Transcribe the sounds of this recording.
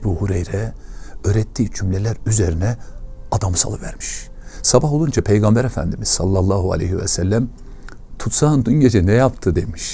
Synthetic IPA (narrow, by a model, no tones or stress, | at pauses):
buːhuɾejɾɛøːɾɛt̪ʰːiːt͡ʃʰymlelʲæɾyzeɾinɛad̪amsa̰lˠɯvæ̰ɾmi̥ʃsabaɦo̞lˠund͡ʒapʰejɡambɛɾefæ̰nd̪imiz̥salˠːalˠːɑːɦua̰lʲḛjhivɛ̰sælʲːæm | t̪ʰut̪saːɯnd̪unɟed͡ʒɛnɛjapt̪ʰɯd̪emiʃ